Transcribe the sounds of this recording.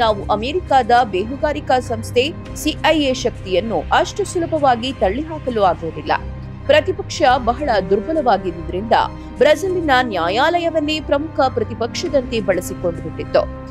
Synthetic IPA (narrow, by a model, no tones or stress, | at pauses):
naːʋuʔɐmeːɾikaːd̪ɐbeːɦuɡaːɾikɐsɐmst̪ʰe | siʔɐjeʃɐk̚t̪ijɐnːuʔɐʂʈɐsulɐpɐʋaːɡit̪ɐɭːiɦaːkɐluaːɡuʋːd̪ilːɐ̰ | pɾɐt̪ipɐkʂɐbɐɦɐɭɐd̪uɾbʱɐlɐʋaːɡid̪ud̪ɐɾind̪ɐ̰ | bɾɐd͡ʒɐlinɐnjaːjaːlɐjɐʋɐnːepɾɐmukʰɐpɾɐt̪ipɐkʂɐd̪ɐnt̪ebɐɭɐsiko̞ɳɖuɡuʈːɖid̪ːṵ